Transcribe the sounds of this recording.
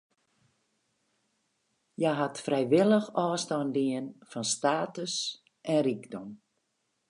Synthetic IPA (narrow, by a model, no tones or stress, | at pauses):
jaɦatfrɛjʋɪlˠəxɔːstɔndiənfɔnstaːtəs | ʔɛnrikdɔm